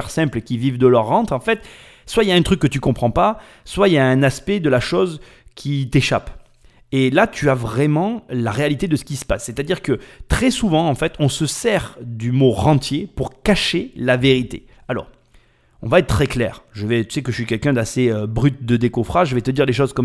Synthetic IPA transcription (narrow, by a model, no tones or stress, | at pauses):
ɛʁsɛ̃pləkʲivivd̪əlœʁːɑ̃t̪χɑ̃fɛt̪ | swailaɛ̃t̪χykːət̪ykɔ̃pχɑ̃pa | swailjaɛ̃naspɛd̪əlaʃɔz | kʲʰit̪eʃa̰p | elat̪ʰyavʁɛmɑ̃laʁealit̪ed̪əsə̥kʲisə̥pasːɛt̪ad̪iʁkət̪χɛsuvɑ̃ɑ̃fɛt̪ɔ̃səsɛʁd̪ymoʁɑ̃t̪jepuʁkaʃelaveʁit̪ḛ | alɔ̰ʁ | ɔ̰̃vaɛt̪̚ːχɛklɛ̰ːʁʒəvɛt̪y̥sɛkəʃɥikʲɛlkɛ̃d̪aseøbʁyt̪̚d̪əd̪ekɔfχaʒʒəvɛt̪əd̪iʁleʃɔzkɔm